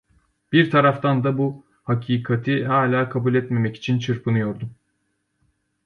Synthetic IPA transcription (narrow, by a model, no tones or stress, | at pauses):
b̥iɾt̪ʰaɾaft̪ʰand̪abu | hacʰiːkʰat̪ʰiɦaːlʲaːkʰabulʲɛt̪me̞mɛci̥t͡ʃʰint͡ʃʰɯɾpʰɯnɯjo̞ɾd̪um